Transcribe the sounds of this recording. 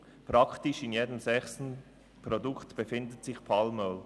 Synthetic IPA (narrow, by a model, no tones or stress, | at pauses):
pʁɑktɪʃɪnjeːdəmzɛχsn̩ | pɾoduktb̥efɪndətsɪçpʰɑlmœl